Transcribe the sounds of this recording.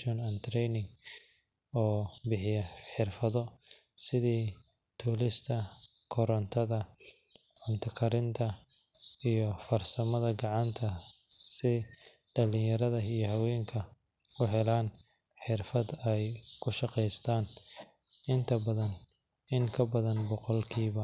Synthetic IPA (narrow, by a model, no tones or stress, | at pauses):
ɔnɐnt̪ʰɾɛjnɪŋɡ | ɔːbɪħɪjɐħɪrfɐðɔ | sɪðiː | t̪ʰuːlɪst̪ʰɐ | kʰɔɾɐnt̪ʰɐðɐ | ʕʊnt̪ʰɐkʰɐɾɪnt̪ʰɐ | ijɔfɐrsɐmɐðɐɡɑʕɑnt̪ʰɐ | sɪ | ɖɐlɪjɐɾɐðɐijɔhɐwɛːŋkʰɐ | kʰʊɦɛlaːn | ħɪrfɐd̪ɛjkʰʊʃɑqɛjst̪ʰaːn | ɪnt̪ʰɐbɐðɐn | ɪŋkʰɐbɐðɐnbɔqɔlkʰiːβɐ